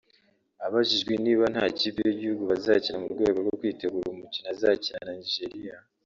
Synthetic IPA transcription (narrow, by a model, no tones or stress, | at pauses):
aβaʒiʒɡweniːβanhaːciːpejiɟihuɡuβazacinamubɡwe̞ːɡoɾɡokwiːte̞ɡuːɾumucinazaːcinananiʒeɾija